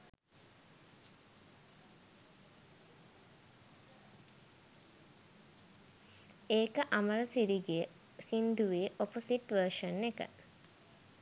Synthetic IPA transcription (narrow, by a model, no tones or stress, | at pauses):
eːkəʔaməɾəsiɾiɡejə | sind̪uʋeʔoposiʈʋəʃənːekə̰